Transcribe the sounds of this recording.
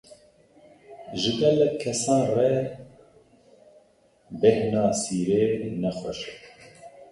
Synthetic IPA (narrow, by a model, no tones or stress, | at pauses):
ʒɨɡɛlːɛkʰːɛsɑ̃ːnrɛ | bɛhnɑːsiːɾeːnɛxʷɛʃɛ